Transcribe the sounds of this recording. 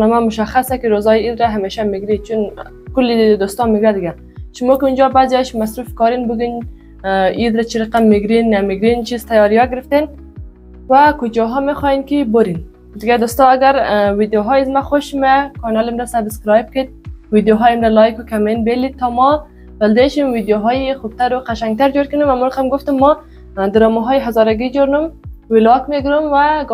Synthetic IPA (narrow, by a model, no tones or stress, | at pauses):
nɔmamʊʃaxasakiɾozɔjiid̪ɾaɦameʃamiɡɾit͡ʃun | kʊlid̪ost̪ɔmeɡuad̪ɪɡa | ʃʊmɔkiund͡ʒɔbazaʃmasɾufkɔɾinbʊɡin | id̪ɾat͡ʃiɾaqamːɪɡɾinːamiɡɾint͡ʃizt̪ajɔɾijɔɡɪɾɪft̪en | wakʊd͡ʒɔɦɔmexɔjenkiboɾin | d̪ɪɡad̪ost̪ɔaɡaɾwid̪joɦɔjazmaxoʃmakɔnalɪmɾasabɪskɾɑjp̚kɪd̪̚wid̪joɦɔjɪmɾalɔjkukamenbelit̪ːɔmɔ | b̥ald̪eʃimwid̪joɦɔjixub̚t̪aɾʊqaʃaŋɡt̪aɾd͡ʒoɾkʊnumamuɾaqamɡʊft̪ʊmːɔ | d̪ɪɾɔmuɦɔjiɦazɔɾaɡid͡ʒoɾnumwɪlɔkmeɡɪɾumwa